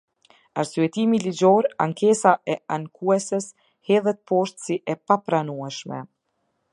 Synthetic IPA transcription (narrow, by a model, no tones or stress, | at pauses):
aɾsyɛt̪imilid͡ʑɔɾa̰ŋkɛsaʔɛaŋkʰuɛsəs | hɛðɛt̪̚pɔʃt̪siʔɛpapɾanuɛʃmɛ̰